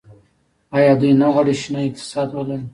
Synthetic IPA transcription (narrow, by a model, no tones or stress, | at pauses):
ɑjɑd̪ujnaɣaɽiʃinaɪk̚t̪ɪ̥sɑd̪wala